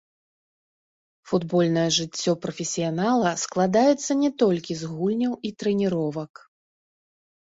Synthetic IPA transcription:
fud̪bɔlʲnɐjɐʐɨt͡sʲːɔpɾɐfʲɛsʲijanalˠɐsklˠad̪ajɛt̪sːɐnʲɛt̪ɔlʲkʲizɣulʲnʲɐwit̪ɾɛnʲiɾɔvɐk

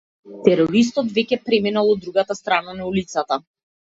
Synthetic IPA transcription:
t̪ɛɾɔɾis̬t̪ɔt̪vɛcʲɛpɾɛminalˠɔd̪ːɾuɡat̪ast̪ɾananaulit̪sat̪a

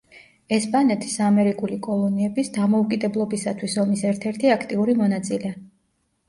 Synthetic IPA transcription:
ɛspʼanɛt̪ʰi̥samɛɾikʼulikʼɔlˠɔniɛbisd̪amɔukʼid̪ɛblˠɔbisat̪ʰwisɔmisɛɾt̪ʰɛɾt̪ʰiakʰt̪ʼiuɾimɔnat̪sʼilɛ

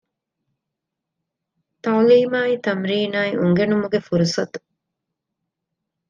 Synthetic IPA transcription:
t̪ɐliːmaːit̪ɐmɾiːnaːiʔuŋɡenumuɡefuɾusɐt̪u̥

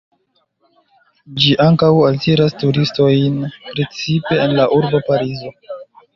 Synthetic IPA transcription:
d͡ʒiʔaŋkawaltiɾastuɾisto̞jnpɾe̞t͡sipe̞ːnlaʔuɾbopaɾizo̞

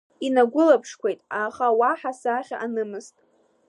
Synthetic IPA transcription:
inaɡʷʊlapʰʂkʷʰejtʼaχawaħasaχʲa̰ʔanɨmɨztʼ

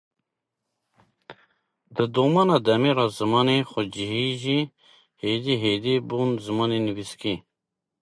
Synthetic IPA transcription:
d̪əd̪oːmɑːnɑːd̪ɛmeːɾɑːzɨmɑːnexʊd͡ʒiɦiʒi | heːd̪iɦeːd̪iːbuːnzɨmɑːneniviski

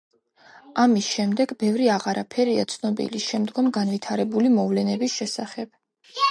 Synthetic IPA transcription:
amisʃɛmd̪ɛɡbɛvɾiaʁaɾapʰɛɾia̰t̪sʰnɔbḭliʃɛmd̪ɡɔmɡanvit̪ʰaɾɛbulimɔvlɛnɛbisʃɛsaχɛb̥

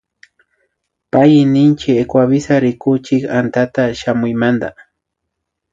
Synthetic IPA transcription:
pajnɪnt͡ʃɪekwaβɪsaɾɪkʊt͡ʃɪkant̪at̪aʃamʊjmand̪a̰

